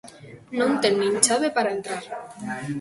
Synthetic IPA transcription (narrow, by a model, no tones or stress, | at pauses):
nont̪enːint͡ʃaβepaɾaent̪ɾaɾ